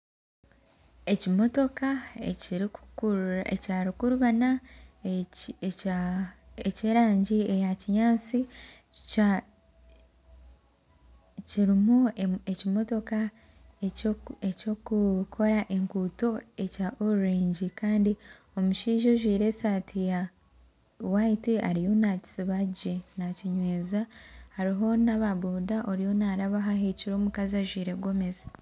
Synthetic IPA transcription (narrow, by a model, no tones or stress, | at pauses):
e̞cimo̞to̞kaeɾ | ecaːɾikuɾuβana | eceːɾaːɲɟiejaciɲaːt͡si | ciɾimuecimo̞to̞ka | eco̞kukʰo̞ɾaʔe̞ŋkuːto̞e̞caʔoɾuɾiːɲɟikaːndi | o̞muʃiːʒo̞ʒwiːɾe̞saːtʰija | waitia̰ɾijo̞naci̥siβaɟenaciɲwe̞ːzahaɾiɦo̞naβaβuːdaʔoɾijo̞naɾaβaɦaheciɾoːmukazaʒwiːɾe̞ɡo̞mezi̥